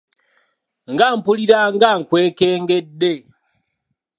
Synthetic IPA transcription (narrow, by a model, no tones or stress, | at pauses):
ŋɡaːmpuliɾaŋɡaŋkwe̞ːkeːŋɡe̞dːe̞